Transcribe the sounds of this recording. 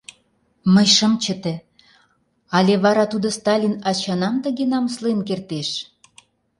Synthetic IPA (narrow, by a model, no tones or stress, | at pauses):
məjʃəmt͡ɕə̆t̪e | ɑlʲeβɑɾɑt̪ud̪ŏst̪ɑlʲinɑt͡ɕɑnɑmt̪ə̆ɣenɑməslenkert̪eʃ